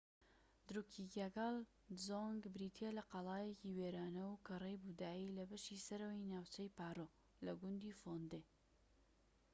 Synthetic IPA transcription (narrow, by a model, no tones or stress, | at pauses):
d̪ɾukʰiɡaɡɑl | zoŋɡbɾit̪ʰelɐqɑlˠɑːjeciweɾaːnɐwkɐrejbud̪aːilɐbɐʃisɐɾɐwinaːwt͡ʃɐjpaːɾo | lɐɡʊnd̪ifond̪e